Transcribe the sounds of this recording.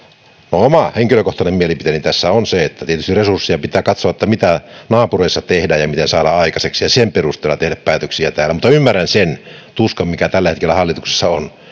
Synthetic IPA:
noomɑheŋkiløkoht̪ɑnemmielipit̪enint̪æsːæonseet̪ːæt̪iet̪yst̪iresursːijɑpit̪ˑæːkɑt̪soɑet̪ːæmit̪ænɑːpureˑisːɑt̪ehdæjɑmit̪ensɑːdɑɑˑikɑseksijɑsemperust̪ˑeːlːɑt̪ehdæppæːt̪øksiæt̪æːlːæmut̪ːɑymːærːænsent̪uskɑmmikæt̪ælːæhet̪̚kelːæhɑlːit̪ukse̥sːɑon

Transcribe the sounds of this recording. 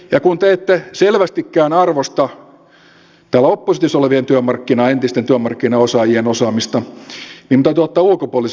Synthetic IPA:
jɑkunt̪eet̪ːeselʋæst̪ikːæːnɑrʋost̪ɑ | t̪æːlæopːosit̪isoleʋient̪yømɑrkːinɑent̪ist̪ent̪yømɑrkːinɑosɑːjienosɑːmist̪ɑniːmt̪æyt̪yot̪ːɑːulkopuolis

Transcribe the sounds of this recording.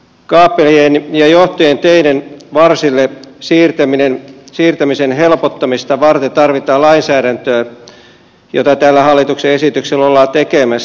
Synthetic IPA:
kɑːpːelienjɑjoht̪ojent̪eidenʋɑrsilːesiːrt̪æminensiːrt̪æmisenɦelpot̪ːɑmist̪ɑʋɑrt̪et̪ɑrʋit̪ɑːlɑinsæːɾænt̪øː | jo̰t̪ɑt̪æːlːæhɑlːit̪ukseesit̪ykselːolːɑːt̪ekemæs

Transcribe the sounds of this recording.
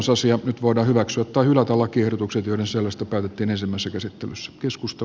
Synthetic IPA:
nsɑsiɑnyt̪ʋoˑidɑːhyʋæksyæt̪tɑihylæt̪ælɑkiehɾot̪ukset̪joˑiɾenselːæst̪ɑpæːt̪et̪ːiːnensimːæisːækæsit̪ːelysːæ̥keskust̪e

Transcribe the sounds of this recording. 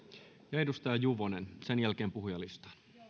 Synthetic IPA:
jɑedust̪ɑjɑjuʋonensenjælk̟e̞ːmpuhujɑlist̪ɑ̥ːn

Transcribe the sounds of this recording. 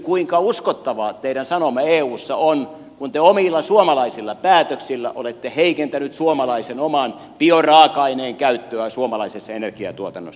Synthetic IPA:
kuiŋkɑuskot̪ːɑʋɑːt̪eiɾænsɑnomɑeːuːsːɑ̰on | kunt̪eomiˑlːɑsuomɑlɑisilːɑpæːt̪øksilːæ̰ʔolet̪ːeheikent̪ænyt̪suomɑlɑisenomɑn | piorɑːkɑineːŋkæyt̪ːøæsuomɑlɑisesːɑenerkiɑ̰t̪uot̪ɑnːo̰sː

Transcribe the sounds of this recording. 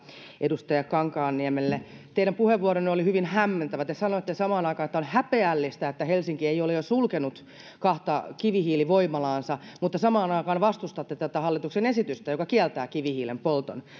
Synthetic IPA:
ʔedust̪ɑjɑkkɑŋkɑːnːiɛmelːet̪eiɾæmpuheʋʋuoɾonːneolihyʋinhæmːent̪æʋæt̪esɑnoet̪ːesɑmɑːnɑikɑnet̪ːæonhæpeælːist̪æet̪ːæhelsiŋkieijolejosulkenut̪ | kɑht̪ɑkiʋihiːliʋoimɑlɑːnsɑmut̪ːɑsɑmɑːnɑikɑːnʋɑst̪ust̪ɑt̪ːet̪æt̪æhɑlːit̪uksenesit̪yst̪æjokɑkiɛlt̪æːkiʋihiːlempolt̪o̰n

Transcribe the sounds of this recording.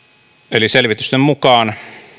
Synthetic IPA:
eliselʋit̪yst̪emmukɑːn

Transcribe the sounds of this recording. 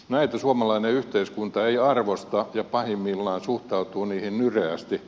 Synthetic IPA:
næit̪æsuɑmɑlɑineyht̪eiskunt̪ɑeiɑrʋost̪ɑjɑpɑhimːilːɑːnsuht̪ɑut̪uːniːhinnyreæst̪i

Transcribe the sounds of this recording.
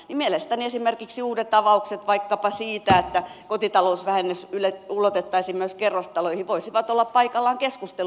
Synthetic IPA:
nimielest̪æniesimerkiksiuːdet̪tɑʋɑukset̪ʋɑikːɑpɑsiːt̪æet̪ːækot̪it̪ɑlousʋæhenːysyleulot̪et̪ːɑisimyøskerːost̪ɑloihiʋoisiʋɑt̪olːɑppɑikɑlːɑŋkeskust̪el

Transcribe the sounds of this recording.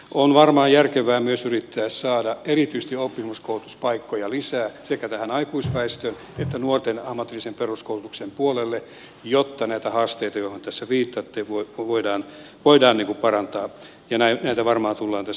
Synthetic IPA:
ʔonʋɑrmɑːjærkeʋæːmyøsyrit̪ːæːssɑːdɑerit̪yist̪iopːimːuskoulut̪uspɑikːojɑlisæːsekæt̪æhænɑikuispæist̪øːn | et̪ːænuort̪enɑhmːɑt̪ːilːisemperuskoulut̪uksempuolelːe | jot̪ːɑnæit̪æhɑːst̪eit̪ɑjohont̪æsːæriːt̪ːɑt̪ːeʋoiʋoidɑːn | ʋoidɑːnniːŋkupɑrɑnt̪ɑː | jɑnænæit̪æʋɑrmɑːt̪ulːɑːnt̪æ

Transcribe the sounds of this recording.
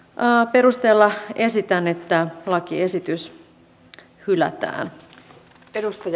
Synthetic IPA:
əpe̞ɾust̪eːlːɑe̞sit̪ænet̪ːælɑkiesit̪ys | hylæ̰t̪æ̰ːn | eɾust̪ɑj

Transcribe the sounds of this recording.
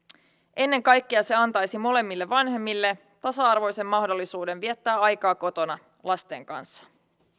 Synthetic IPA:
ʔe̞nːe̞ŋkɑjkːiɑse̞ɑnt̪ɑjsimo̞le̞mːilːeʋːɑnɦe̞mːilːe̞ | t̪ɑsɑɑrʋo̞jse̞mːɑhdo̞lːisuːde̞nʋiet̪ːæːɑjkɑːko̞t̪o̞nɑ | lɑst̪e̞̰ːŋkɑ̰nsːɑ̥

